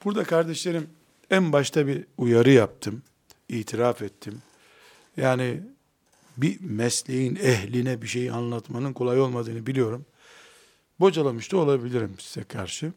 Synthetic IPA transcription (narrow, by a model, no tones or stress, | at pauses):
b̥uɾd̪akʰaɾd̪ɛʃlʲeɾim | ænbaʃt̪ʰabiujaɾɯjap̚t̪ʰɯm | iːt̪ʰiɾafɛt̪ʰːim | jaːni | bimɛslʲejinɛɦlʲinɛbiʃe̞jianlˠat̪manɯnkʰo̞lˠajo̞lˠmad̪ɯːnɯbilijo̞ɾum | bo̞d͡ʒalˠamɯʃt̪ʰuo̞lˠabilʲiɾimsi̥zɛkʰaɾʃɯ